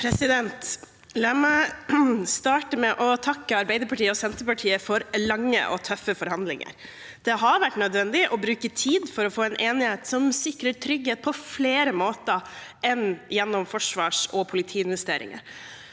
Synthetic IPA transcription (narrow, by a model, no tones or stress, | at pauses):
pʰɾɛsɪd̪ɛnt̪ | læːmæɪ | st̪ɑːʈəmɛʔɔt̪ʰɑkːəɑɾbɛɪd̪əɾpʰɑʈiːəɔsɛnt̪əɾpɑʈʰiːəfɔɾlɑŋːə̰ʔɔ̰t̪ʰœfəfɔɾhɑnd̪lɪ̰ŋə̰ɾ | d̪̥ɛɦɑɾʋæʈːnœd̪ʋɛnd̪ɪʔɔbɾʉːkət̪ʰiːd̪fɔɾɔfoːɛnʔeːnɪheːt̪sɔmsɪkɾəʈʰɾʏɡheːt̪̚pʰɔfleːɾəmoːt̪əɛnjɛnːɔmfɔʂʋɑːʂɔpʰʊlɪt̪ʰiːɪnʋɛst̪eːɾɪ̰ŋə̰ɾ